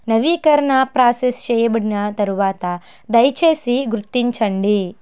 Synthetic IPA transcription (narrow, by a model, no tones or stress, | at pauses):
nɐʋiːkɐɾɐɳɐpɾaːsest͡ʃɛːjɐbɐɽinɐt̪ɐɾuʋaːt̪ɐ | d̪ɐjt͡ʃeːsiɡuɾut̪ːiɲt͡ʃɐɳɖi